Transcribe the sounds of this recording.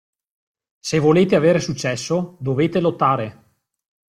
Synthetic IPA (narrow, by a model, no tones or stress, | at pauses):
sevoleːt̪eaveːɾesut͡ʃːɛsːod̪oveːt̪elot̪ːaːɾe